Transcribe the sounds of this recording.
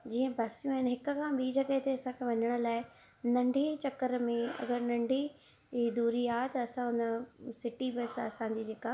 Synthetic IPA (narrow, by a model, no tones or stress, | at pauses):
d͡ʑiːə̃baːsijũaːɪnɦɪkʊ̆kʰãːɓiːd͡ʑɐɡət̪eɐsãkʰẽʋɐɲəɽ̃ʊ̆laːɪ | nɐ̃ɳɖʱit͡ɕɐkəɾmẽɐ̰ɡəɾnɐ̃ɳɖʱi | id̪uːɾiaːet̪ɐɐsãɦʊnəsɪʈibɪsɐsã̆ːd͡ʑiːd͡ʑeːka